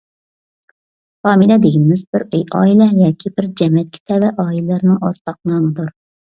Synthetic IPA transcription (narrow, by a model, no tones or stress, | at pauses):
fɑːmilɛd̪ɪɡʲinɪmɪzbɪɾøjʔɑ̰ːilˠɛjɑːkʲʰibɪɾd͡ʒɛmɛt̪̚kʲʰi̥t̪ʰɛvɛʔɑːilɛlɨɾnɨŋo̰ɾt̪ʰɑq̚nɑːnɨd̪uɾ